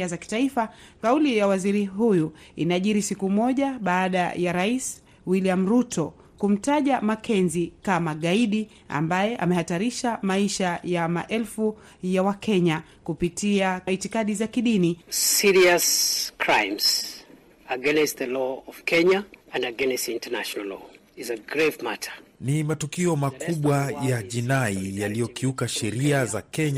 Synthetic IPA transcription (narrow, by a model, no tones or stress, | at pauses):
azaki̥taifakaulijawaziɾiɦujuḭnaʄiɾisikumɔʄaɓaːɗa̰jaɾais | wiliam̩ɾutʰɔ | kum̩taʄamakʰɛnzikamaɠaiɗi | a̰mbajɛʔa̰mɛhataɾiʃamaiʃajama̰ʔɛlfu | jawakʰɛɲa | kupitiaitikaɗizakiɗinisiɹiəskʰɹãɪ̃mz̥ | əɡɛnɛstðəlɔɔv̥kʰɛ̃ɲaɨ̃ndəɡɛnɛstĩntʰənaʃnlɔ̰ | izəɡɹevmatʰə̥˞nimatukiɔmakuɓwajaʄinaijalijɔkʰiukaʃɛɾiazakɛɲa